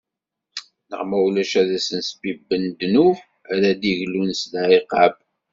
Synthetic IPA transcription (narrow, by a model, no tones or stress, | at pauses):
nə̰ʁmæwlæʃæðæsənsəbibːənd̪nu | æɾæd̪iʝlunslʕiqɑb